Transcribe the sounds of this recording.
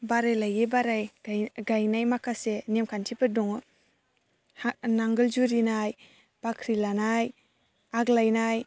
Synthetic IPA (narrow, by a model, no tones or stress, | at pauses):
baɾajlajebaɾajɡajnajmakʰasenemkʰantʰipɯdɔŋ | naŋɡɯlzuɾinaj | b̥akʰɾilanaj | aɡlajnaj